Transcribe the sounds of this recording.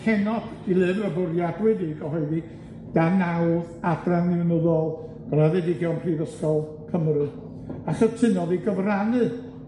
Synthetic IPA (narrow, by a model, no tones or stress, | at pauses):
hʰɛnɔd̥d̥ilˠɨvrəbʊrjadwɛdiɡɔɦɔɨði | d̥anawð | abranɪwnəðɔlˠ | ɡ̥əlˠaðɛdɪɡiɔwnpʰrivəskɔlˠ | kʰəmrɨ | aχətʰɨnɔðiɡəvranɨ